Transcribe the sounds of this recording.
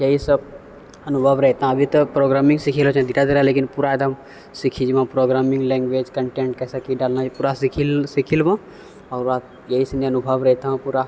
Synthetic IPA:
jɐɦisəb | ɐnʊbʱəʋɾɛɦt̪aɦãɐbʱit̪ɐpɾoːɡɾaːmɪ̃ŋɡsikʰilot͡ʃɛ̃d̪iʈad̪iɾleːkɪnpuɾaed̪ʱəm | sikʰid͡ʒʋãpɾoːɡɾaːmɪ̃ŋɡlɛ̃ːŋɡʋeːd͡ʒkəɳʈẽːɳʈ̚kɛːsakiɖaːlnad͡ʒipuːɾasikʰilsikʰilʋã | ɔːɾa | jɐɦisɐneɐnʊbʱəʋɾɛɦɛt̪aɦãpuːɾa

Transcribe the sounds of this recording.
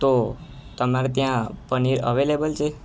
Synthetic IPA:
t̪ot̪əmaɾet̪jãpəniɾə̰ʋelebəlt͡ʃʰe

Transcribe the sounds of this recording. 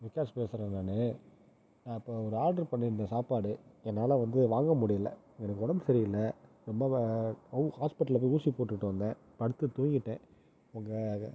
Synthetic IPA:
ʋɪkːaːɾspeːsɾɐnaːnɯ | nãːɪpːoːɔɾɯaːɾɖɐɾpɐɳːɪnːɐ̃saːpaːɽɯɛnːaːlãːʋɐnd̪ɯʋaːŋɡɐmʊɽɪjɪlːɐ̰ | ŋɡɛnɐkːɯʊɽɐmbɯsɐɾɪjɪlːɐ | ɾɔmbɐ | haːspɪʈːɐlɐp̬oːuːsipoːʈːɯʈːɯʋɐnd̪ẽː | pɐɽɯt̪ːɯt̪uːŋɡɪʈːẽː | ʊŋɡɐ

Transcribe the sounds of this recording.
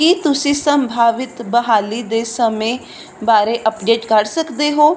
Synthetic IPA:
kiːt̪ʊsĩːsəmbʱaːʋɪt̪bəɦaːliːd̪eːsəmẽː | baːɾeːʔəpɖeːʈkəɾsəkd̪eːɦoː

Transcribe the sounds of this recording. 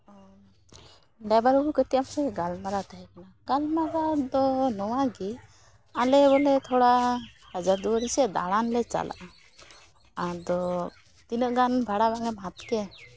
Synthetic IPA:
ɖabaɾubukət̪ijamsɛɡalmaɾat̪ʰaɦɛkanaɡalmaɾad̪ɔnɔwaɡi | alɛbɔlɛt̪ʰɔɽahad͡ʒaɾd̪uəɾisɛd̪a̰ɭanlɛt͡ʃa̰la̰ʔa | ad̪ɔ | t̪inəʔɡanbʱaɽabaŋɡɛmɦat̪kɛ

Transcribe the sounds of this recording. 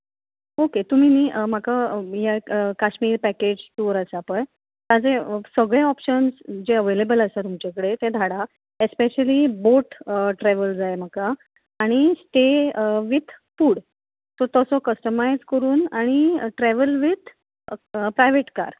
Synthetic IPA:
oket̪um̤iːniːʔm̤akajakaɕmiːɾpæked͡ʑʈuɾəsapəj | t̪ad͡zesəɡɭjaɔpɕənsd͡ʑeəʋelebələsat̪umt͡ɕakəɽet̪ẽd̪ʱaɽa | espeɕəliboʈʈɾɛʋəld͡zajm̤akaː | ɽ̃isʈeʋid̪ʰʱfuːɽ | t̪ɔɾt̪əsɔkəsʈəmajd͡zkəɾuːnaɽ̃iʈɾɛʋəlʋid̪ʱ | pɾajʋeʈka̰ɾ

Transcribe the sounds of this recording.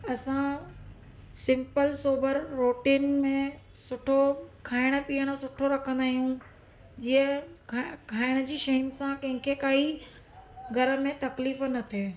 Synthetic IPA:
ɐsã | sɪ̃mpəlsoːbəɾːoːʈiːnmẽsʊʈʰokʰaːɪɽ̃ə̆piːəɽ̃ə̆sʊʈʰoɾɐkʰə̃nd̪aːɦijũ | d͡ʑiːə̃ | kʰaːɪɽ̃̆d͡ʑiːʃɐɦənɪ̆sãkɐ̃ɦɪ̃kʰekaːi | ɡɐɾə̆mẽt̪ɐkliːfnɐt̪ʰeː

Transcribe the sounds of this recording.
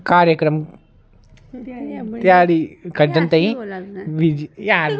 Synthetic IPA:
kaːɾjɐkɾɐm | t̪ɐjaːɽikɐɖːɐnt̪ɐĩʋid͡ʒjal

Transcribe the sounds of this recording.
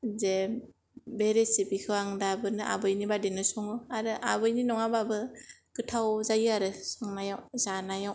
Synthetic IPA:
ze | beɾesibikʰɯaŋdabɯnɯʔa̰bɯjnibadenɯsɔŋɯaɾɯʔa̰bɯjninɔŋababɯkɯtʰawzajɯaɾɯsɯŋnajawzanajaw

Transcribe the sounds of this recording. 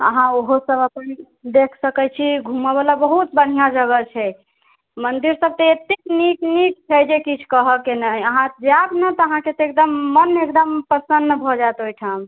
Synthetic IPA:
ə̰ɦãoɦosəbəpən | d̪ekʰsəkɛt͡ʃʰiɡʱuməbelabəɦut̪̚bəɽ̤ijãd͡ʒəɡət͡ʃʰɛ | mənd̪iɾsəb̚t̪əet̪ikniknik̚t͡ʃʰɛjd͡ʒekit͡ʃʰkəɦəkenəəɦãd͡ʒabnət̪ɔəɦãket̪ɔek̚d̪əmːənekd̪əmpəsənːbʱɔd͡ʒaet̪ojʈʰam

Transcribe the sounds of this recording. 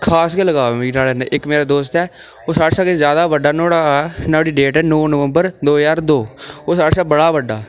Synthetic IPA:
kʰaːsɡeləɡaːnaːleneʔɪkmeːɾaːd̪oːst̪ɛː | oːsaːɽsaːkɪzjaːd̪aːʋəɖːaːnoːɽaːnaːɽiːɖeːʈɛːnoːnəʋəmbəɾd̪oːjaːɾd̪oːoːsaːɽsaːbəɽaːʋəɖːaː

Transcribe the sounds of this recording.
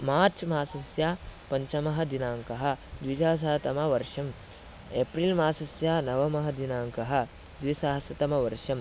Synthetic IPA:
maːɾt͡ʃmaːsɐsjaːpɐɲt͡ʃɐmɐɦɐd̪inaːŋkɐɦɐ̆d̪ʋid͡ʒaːs̬aːɐt̪ɐmɐʋɐɾʂɐm | epɾilmaːsɐsjaːnɐʋɐmɐɦɐd̪inaːŋkɐɦɐ̆ | d̪ʋisaːɦɐsjɐt̪ɐmɐʋɐɾʂɐm

